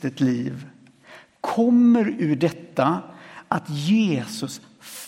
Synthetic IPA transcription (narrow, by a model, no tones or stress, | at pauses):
t̪ət̪liːv | kʰɔmːəɾʉɖɛt̪ːaʔat̪jeːsɵs | f